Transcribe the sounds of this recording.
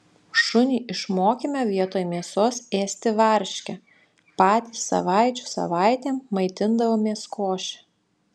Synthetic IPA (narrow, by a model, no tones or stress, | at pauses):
ʃʊnʲiːʔɪʃmoːkʲimʲɛʋʲiɛt̪oːjmʲiɛsoːseːsʲt̪ʲɪʋɐɾʲʃʲkʲɛ | pɑːt̪ʲiːsɐ̰ʋɑɪt͡ʃʲu̥sɐ̰ʋɑˑɪt̪ʲeːmmɐɪt̪ʲɪnd̪ɐʋoːmʲeɛskʰoːʃʲɛ̥